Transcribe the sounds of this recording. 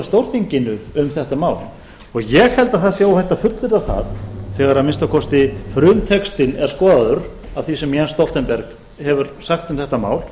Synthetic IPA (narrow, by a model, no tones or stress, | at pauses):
st̪owɾθiɲcɪnʏʏmθɛht̪amaːwl | ɔɣjɛɣhɛlt̪aðθaðsjaːwhɛht̪ːafʏt̪lɪɾaθa̰ðθɛɣaɾaðmɪnst̪akʰɔst̪ɪfɾʏːmt̪ʰɛkst̪ɪnɛɾ̥skɔːðaðʏɾ | avθisɛmjanst̪ɔlt̪ɛnpɛɾk | hɛvʏɾsaxt̪ʏmθɛht̪ama̰ːwl